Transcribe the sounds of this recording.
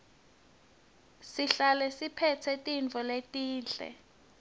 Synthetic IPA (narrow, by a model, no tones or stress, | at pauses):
siɬalɛsipʰɛtʰɛtʼint͡fɔletʼiːnɬɛ̰